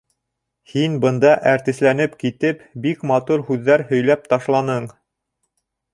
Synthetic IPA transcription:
hinbɤ̆nd̪ɑʔæɾt̪ɘ̆slænɘpkit̪ɘpbikmɑt̪uɾhʉðːæɾhɵ̆jlæp̚t̪ɑʃlˠɑnɤɴ

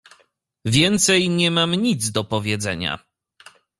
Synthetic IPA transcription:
vʲjɛnt̪sɛjɲɛmamɲid̪zd̪ɔpɔvʲjɛd̪zɛ̰ɲa̰

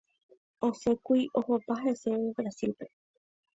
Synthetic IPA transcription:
o̞sekuiʔo̞hopaɦeseebɾasilpe̞

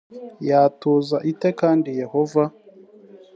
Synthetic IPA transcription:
jaːtozaʔitɛkaːndijɛhɔva

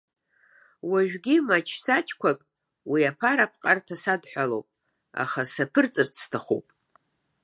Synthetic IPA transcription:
waʒᶣɡʲimat͡ʃʰsat͡ʃʰʼkʷʰakʼ | wiapʰaɾapʰqʼartʰasadħʷᶣalowpʼ | a̰χasapʰɨrt͡sʼɨrt͡sʰtʰaχo̰wpʼ

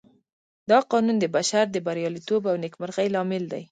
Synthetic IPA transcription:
d̪ɑqɑnund̪əbaʃaɾd̪əbaɾjɑlit̪obawnekməɾɣajlɑmɪld̪aj

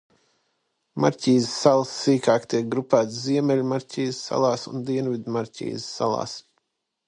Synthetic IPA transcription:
maɾʲcʲiːzsːalˠsːiːkaːkt̪iɛk̚ɡɾupæːt̪sziɛmʲɛlʲmaɾcʲiːzsːa̰lˠɑːsṵnd̪iɛnvid̪maɾcʲḭːzsːa̰lˠɑ̰ːs

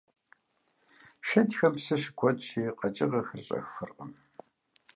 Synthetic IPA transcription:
ʃɐtʲxɐmpsɨʂɡʷʰɔtʼʃiːqʼɐt͡ʃʼɪʁɐxɨrɕʼɐ̰xːɨrqʼəm

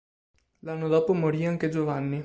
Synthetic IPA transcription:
lanːod̪ɔːpomoɾiːaŋked͡ʒovanːi

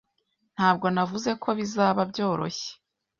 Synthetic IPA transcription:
n̥haːb̚ɡo̞navuze̞kʰo̞βizaːβabɟo̞ːɾo̞̰çe̥

